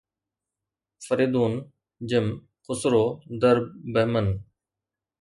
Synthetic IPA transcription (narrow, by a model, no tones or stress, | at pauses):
fəɾiːd̪uːn | d͡ʒəm | kʊsɾoːd̪əɾbəɦmən